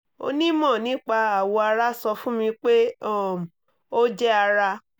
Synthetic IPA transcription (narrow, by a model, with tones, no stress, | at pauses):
o̰˧nĩ˦mɔ̃˦˨nĩ˨˦k͡pa˧a˨wɔ˧a˧ɾa˦sɔ˧fũ˦mĩ˧k͡pe˦ɔ˦˨m˨ | o˦d͡ʒɛ˦a˧ɾa˧